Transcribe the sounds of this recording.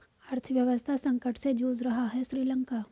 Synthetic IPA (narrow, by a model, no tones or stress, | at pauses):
ɐɾt̪ʰəʋjɐʋəst̪ʰasɐ̃ŋkəʈsed͡ʒoːzɾɐɦaɦɛʃɾiːlə̃ŋkaː